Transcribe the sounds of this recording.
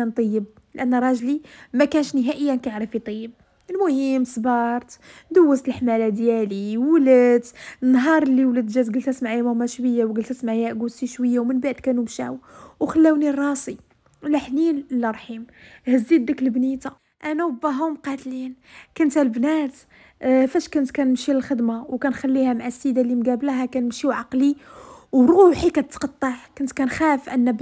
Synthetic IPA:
ænt̪ˤəjːəb̚ | lʔænːɾˤɑʒlimækænəʃnəɦæʔəjːænkʕɾəfit̪ˤəjːəb̚ | əlmʊhəmsbɑɾˤt̪d̪əwːəst̪əlħmælæd̪jæliwləd̪nːɦɑɾˤəlːiwlæd̪ʒæzɡəlt̪æsmaʕjæmʊmæʃwəjːawɡəlt̪æsmaʕjæʔɡulsiʃwəjːawmənbaʔd̪kænumʃæ̰wwxəlːæwnirˤːɑsi | lħninlɑɾˤħimhəzːid̪ləklbnit̪a | ʔænæwəbæɦʊmqɑt̪lin | kʊnt̪hælbnæt̪ | fæʃkʊnt̪kænəmʃiləlxəd̪mawkænxælːihæmʕasːid̪alimɡæblɦækænəmʃiʕɑqliwɾuħikæt̪t̪qɑt̪ˤːɑʕkʊnt̪kænxæfʔənːæb

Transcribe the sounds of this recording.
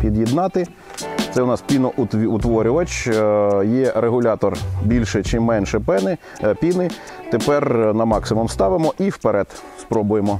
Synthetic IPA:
pʲid̪jɪd̪nɑt̪ɪ | t̪sɛʊnɑspʲinɔʔʊt̪ʲʊt̪ʋɔɾʲʊʋɐt͡ʃ | jɛɾeɦʊlʲɑt̪ɔrbʲilʲʃɛt͡ʃɪmːɛnʃɛpɛnɪ | pʲinɪ | t̪epɛrnɐmɑksɪmʊmst̪ɑʋɪmɔʔiwpeɾɛt̪ | spɾɔbʊjemɔ

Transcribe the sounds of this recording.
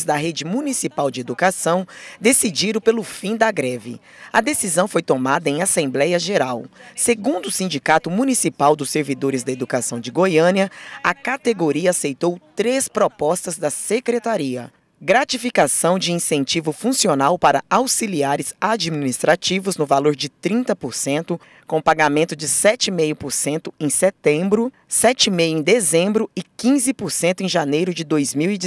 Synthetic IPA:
zd̪ɐɦed͡ʒɪmunisipawd͡ʒɪed̪ukasɐ̃w̃d̪esid͡ʒiɾʊ̃pelʊfĩd̪ɐɡɾɛvɪ̰ | ɐd̪esizɐ̃w̃fojt̪omad̪ɐẽj̃asẽmblɛjɐʒeɾawseɡũnd̪ʊʊsĩnd͡ʒikat̪ʊmunisipawd̪ʊsːeɾvid̪oɾɪzd̪ɐed̪ukasɐ̃w̃d͡ʒɪɡojɐ̃niɐɐkat̪eɡoɾiɐasejt̪owt̪ɾespɾopɔst̪ɐzd̪ɐsekɾet̪aɾiɐ̰ | ɡɾat͡ʃifikasɐ̃w̃d͡ʒɪĩsẽnt͡ʃivʊfũsionawpaɾɐawsiliaɾɪzad͡ʒiminist̪ɾat͡ʃivʊznʊvaloɾd͡ʒɪt̪ɾĩnt̪ɐpoɾsẽnt̪ʊ | kõpaɡamẽnt̪ʊd͡ʒɪsɛt͡ʃɪimejʊpoɾsẽnt̪ʊẽj̃set̪ẽbɾʊ | sɛt͡ʃɪmejʊẽd̪ezẽmbɾʊɪkĩzɪpoɾsẽnt̪ʊẽʒanejɾʊd͡ʒɪd̪ojzmiwid͡ʒ

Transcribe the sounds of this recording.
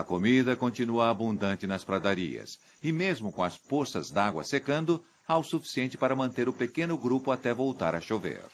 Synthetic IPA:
ɐkomid̪ɐkõt͡ʃinuɐːbũnd̪ɐ̃nt͡ʃɪnɐspɾad̪aɾḭɐ̰s | ɪmezmʊkõɐsposɐ̰zd̪aɡwɐ̰sekɐ̃nd̪ʊ | awsufi̥siẽnt͡ʃɪ̥paɾɐmɐ̃nt̪eɾʊpekẽnʊɡɾupʊat̪ɛvowt̪a̰ɾɐʃovḛɾ

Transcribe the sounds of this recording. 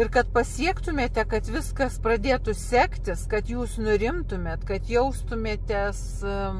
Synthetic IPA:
ɪrkɐt̪̚pɐsʲiɛkt̪ʊmʲeːt̪ʲɛkɐt̪ʋʲɪskɐsprɐd̪ʲeːt̪ʊsʲæːkt̪ʲɪskɐt̪juːsnʊɾʲɪmt̪ʊmʲeːt̪kɐt̪jɛʊst̪ʊmʲeːt̪ʲɛs

